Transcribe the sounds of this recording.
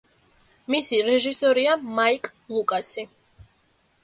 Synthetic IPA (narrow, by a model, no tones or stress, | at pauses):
misiɾɛʒisɔɾiamaikʼlˠukʼasi